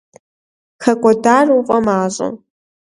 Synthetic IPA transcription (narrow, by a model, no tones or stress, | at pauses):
xɐkʷʼɔdaːruqʼɐmaːɕʼɨ̰